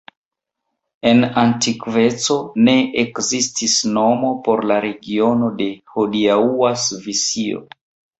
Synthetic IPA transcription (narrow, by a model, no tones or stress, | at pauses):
e̞nantikve̞t͡so̞ne̞ʔekzistisno̞mo̞po̞ɾlaɾe̞ɡio̞no̞de̞hodiauasvisio̰